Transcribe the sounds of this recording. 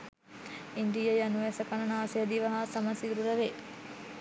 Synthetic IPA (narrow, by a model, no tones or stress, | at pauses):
ind̪ijɐjɐnuʋɛsɐkɐnɐnaːsejɐd̪iʋɐɦasɐmɐsiɾuɾɐʋe